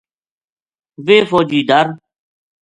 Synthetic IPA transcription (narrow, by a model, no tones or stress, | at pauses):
ʋeːfoːd͡ʒiːd̪əɾ